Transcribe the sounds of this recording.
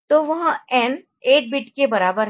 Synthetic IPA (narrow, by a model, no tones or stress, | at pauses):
t̪oːʋɐɦãɛn | eːʈ̚bɪʈkebɐɾaːbəɾ